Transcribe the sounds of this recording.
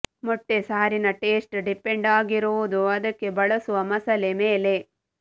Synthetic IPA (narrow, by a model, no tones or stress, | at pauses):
mɔʈːe̞saːɾinɐʈe̞ːsʈɖipeɳɖaːɡiɾuʋud̪uɐd̪ɐkːe̞bɐɭɐsuʋɐmɐsɐle̞me̞ːle̞